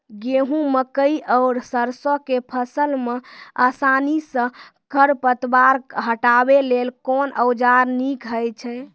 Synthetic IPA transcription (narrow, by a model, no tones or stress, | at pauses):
ɡeɦũməkəiʔəʊɾsəɾsokepʰəsəlmeasanisə̃ | kʰəɾpət̪baɾɦəʈabelelkonəwd͡ʒaɾnikɦəjt͡ʃʰɛ